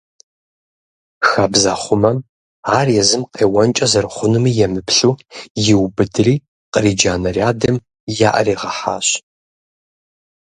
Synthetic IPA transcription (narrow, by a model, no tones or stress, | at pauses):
xaːbzaːχʷʊmɐm | aːrjɛzɨmqeːwɐnt͡ʃʼɐzɐrχʷʊnumiːjɛmɨpɕʼuːjɪwbɨdɨriː | qəriːd͡ʒaːnɐrjaːdɐm | jaːʔɐ̰riːʁɐħa̰ːɕ